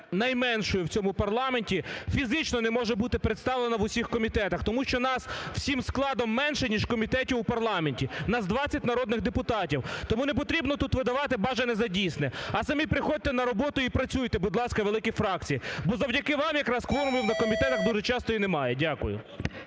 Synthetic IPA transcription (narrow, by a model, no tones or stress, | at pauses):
nɐjmɛnʃɔjʊwt͡sʲɔmʊpɐrlˠɑmenʲtʲifʲizɪt͡ʃnɔnɛmɔʒɛbut̪ɪpɾet̪st̪ɑʋlˠenɐʋʊsʲixkɔmʲit̪ɛt̪ɐxt̪ɔmuʃt͡ʃɔnɑsw̥sʲimsklˠɑd̪ɔmːɛnʃɛnʲiʃkɔmʲit̪ɛtʲiwʊpɐrlˠɑmenʲtʲinɐzd̪ʋɑt͡sʲːɐtʲnɐɾɔd̪nɪɣd̪epʊt̪ɑtʲiwt̪ɔmunep̬ɔt̪ɾʲibnɔt̪ut̪ʋɪd̪ɐʋɑt̪ɪbɑʒɐnɛzɐdʲijsnɛɐsɐmʲipɾɪxɔd̚ʲt̪ɛnɐɾɔbɔt̪ʊipɾɐt͡sʲujt̪ɛbʊd̪ʲlˠɑsʲkɐʋelˠɪkʲifɾɑk̚t͡sʲijibɔzɐwdʲɐkɪʋɑmjɐkɾɑskʋɔɾʊmʲiwnɐkɔmʲit̪ɛt̪ɐɣd̪uʒɛt͡ʃɑst̪ɔinemɑjɛdʲakʊjʊ̰